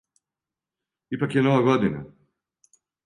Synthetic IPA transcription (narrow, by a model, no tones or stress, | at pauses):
ipakjenoʋaɡod̪ina̰